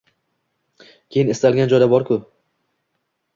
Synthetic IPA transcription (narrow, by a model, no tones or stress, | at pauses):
kʲʰejɪnɪst̪ʰalɡʲand͡ʒɒjd̪abɒɾkʰʲʊ